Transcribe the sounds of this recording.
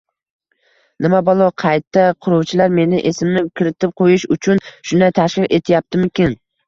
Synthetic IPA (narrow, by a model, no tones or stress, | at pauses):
nɪmabɒlˠɒqʰɑjt̪ːaqʰʊɾɒwt͡ʃʰɪlaɾme̞nɪʔesɪmnɪkʲɪɾɪt̪ʰɪp̚qʰojɪʃʊt͡ʃʰʊnʃʊnd̪ajt̪ʰaʃqɨle̞t̪ʰɪjap̚t̪ʰɪmɪkʲɪn